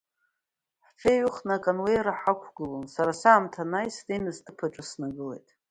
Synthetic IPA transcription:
ħfʰeɥɨχnakʼanwejɾaħakʷʰɡɨlonsaɾasaːmtʰanajsdejnɨztʰɨpʰaʈ͡ʂʼɨsnaɡɨle̞̰jtʼ

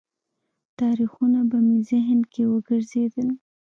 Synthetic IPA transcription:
t̪ɑɾixunabamizɪɦnkʰewəɡəɾzed̪əl

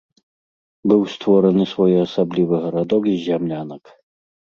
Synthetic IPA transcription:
bɨwst̪vɔɾɛnɨsvɔjɔɐsablʲivɨɣɐɾad̪ɔkizʲamlʲanɐk

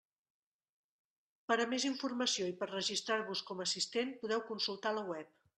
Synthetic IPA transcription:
pəɾəmeziɱfurməsioipəɾrəʒist̪ɾaɾβuskɔməsist̪enpuðɛwkunsulˠt̪aləwɛp̚

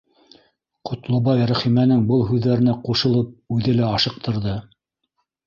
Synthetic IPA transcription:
qʰŏt̪lˠɑβɑjɾæχimænɘŋbɤlˠɦʉðːæɾɘ̆næquʃɤ̆lˠɤp̚ʉðɘlæɑʃɤ̆q̚t̪ʰɤ̆ɾðɤ

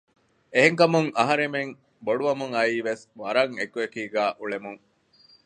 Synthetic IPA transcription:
eɦeŋkɐmuŋɐɦɐɾemeŋ | boɖuʋɐmuŋɐiːʋesʋɐɾɐŋekuekiːɡæːʔuɭemuŋ

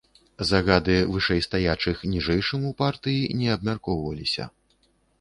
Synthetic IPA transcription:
zaɣad̪ɨvɨʂɛjst̪ajat͡ʂɨxnʲiʐɛjʂɨmupart̪ɨjinʲɛɐb̚mʲarkɔwvɐlʲisʲɐ̰

